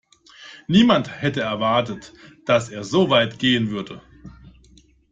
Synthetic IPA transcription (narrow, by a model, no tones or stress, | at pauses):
niːmanthɛtəɛɐvaɐtətd̥aseːɐzoːvaɪtɡ̥eːənvʏɐdə